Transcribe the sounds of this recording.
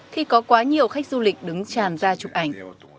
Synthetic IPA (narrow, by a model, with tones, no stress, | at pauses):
xi˧kɔ˨˦kwaː˨˦ɲi˨˩əwxa˦˥jk̚zu˧lï˨˩k̟̚ɗɨ˨˦ŋt͡ɕaː˨˩nzaː˧t͡ɕʊ˨˩k͡p̚ʔa˧˩jŋ̟